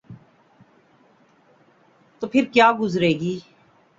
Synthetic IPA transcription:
t̪oːpʰɪɾkjaːɡʊzɾeːɡiː

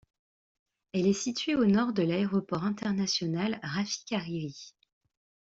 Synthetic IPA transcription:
ɛlɛsit̪ɥeonɔʁd̪əlaeʁɔpɔʁɛ̃t̪ɛʁnasjɔnalʁafi̥kʲaʁiʁi

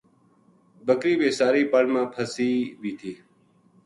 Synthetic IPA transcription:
bəkɾiːbeːsaːɾiːpəɳmãːpʰəsiːbʱiːt̪ʰiː

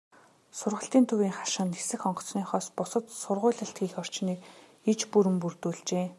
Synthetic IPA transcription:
sʊrʁə̆ɬt̪iːnt̪ʰɵwiːŋχḁʃə̆nːesɘ̆xɔɴɢɞ̆t͡sniːχɔːspʊsə̆t̪sʊrʁʊːɮə̆ɬt̪ɡiːxɔr̥t͡ɕniːk | it͡ɕpuɾɘ̆mpurt̪uːɮt͡ɕeː

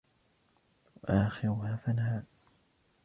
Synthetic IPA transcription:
wʔaːxɪɾʊhaːfanhaː

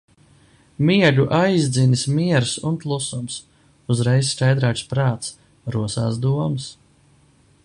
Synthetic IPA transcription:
miɛd̪uʔajzd̪zinismiɛɾsunplˠusums | uzɾɛjsskajd̪ɾaːt͡ʃspɾaːt̪s | ɾuɔsaːsd̪uɔmɨs

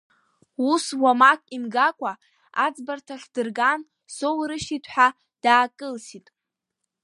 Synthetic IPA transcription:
uswamakʼimɡakʷʼa | ad͡zbartʰaχʲd̥ɨrɡan | so̞wɾɨʃitʰħa | d̥aːkʼɨlsitʼ

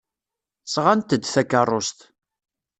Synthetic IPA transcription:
sʁant̪əd̪θækːərˤːost̪

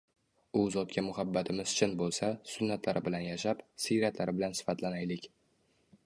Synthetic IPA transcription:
ʊzɒt̪kʰʲamʊhabːat̪ʰɪmɪz̥t͡ʃʰɪnbolˠsasʊnːat̪ʰlaɾɪbɪlanjaʃapsijɾat̪ʰlaɾɪbɪlansɪ̥fat̪ʰlanajlɪkʲ

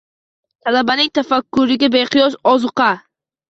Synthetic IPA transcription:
t̪ʰalabanɪŋt̪ʰafakːʊɾɪɡʲabeqʰɨjɒsɒzɨqʰɑ

